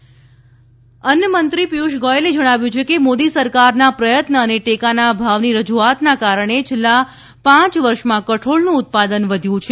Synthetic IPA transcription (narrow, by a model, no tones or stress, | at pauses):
ənjəmənt̪ɾipijuʃɡɔjeled͡ʒəɽ̃aʋjũt͡ʃʰekemod̪isəɾkaɾnapɾəjət̪nəːneʈekanabʱaʋniɾəd͡ʒuat̪nakaɾəɳ̃et͡ʃʰelːa | pãt͡ʃʋəɾʃmãkəʈʰoɭnũʊt̪̚pad̪ənʋəd̪ʱjũt͡ʃʰe